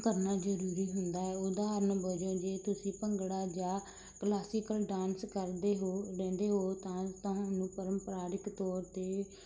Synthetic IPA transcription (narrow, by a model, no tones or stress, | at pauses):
kəɾnaːd͡ʒəɾuːɾiːɦʊnd̪aːɛːʊd̪aːɾnəbəd͡ʒõːd͡ʒeːt̪ʊsĩːpəŋɡɽaːd͡ʒaː | klaːsɪːkəlɖãːnskəɾd̪eːɦoːɾɛ̃ːnd̪eːɦoːt̪ãːt̪ãːʊnũːpəɾəmpɾaːɾɪkt̪ɔːɾt̪eː